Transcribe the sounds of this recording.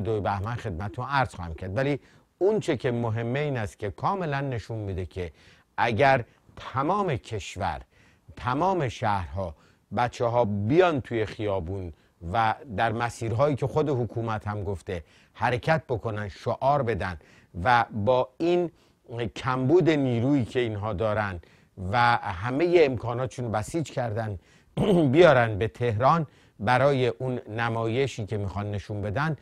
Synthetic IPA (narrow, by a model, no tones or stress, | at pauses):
d̪ojbæhmænxe̞d̪̚mæt̪et̪ʰunæɾz̥χɒːhæmcʰæɾd̪væli | unt͡ʃʰe̞cʰe̞moɦe̞mːe̞iːnæst̪̚cʲʰe̞kʰɒːme̞lænːe̞ʃunmid̪e̞cʰe̞ | ʔæɟæɾ | t̪ʰæmɒːme̞kʰe̞ʃvæ̰ɾ | t̪ʰæmɒːme̞ʃæhɾɦɒː | bæt̪t͡ʃʰːeɦɒːbijɒnt̪ʰuje̞xijɒːbuːn | væd̪æɾmæsiːɾɦɒːjiːcʰe̞xod̪e̞hokʰuːmæt̪hæmɡoft̪e̞ | hæɾecʰæt̪̚ʰbo̞kʰo̞nænd̪ʃoʔɒːɾbe̞d̪ænd̪ | væbɒːin | cʰæmbuːd̪e̞niːɾuːiːcʰe̞iːnɦɒːd̪ɒːɾænd̪ | væɦæme̞je̞ːmkʰɒːnɒːt̪ʰe̥ʃuːnbæsiːd͡ʒcʰæɾd̪æn | bijɒːɾænd̪̚be̞t̪ʰe̞hɾɒːn | bæɾɒːje̞ʔunːæmɒːje̞ʃiːcʰe̞miːxɒnːe̞ʃunbe̞d̪ænd̪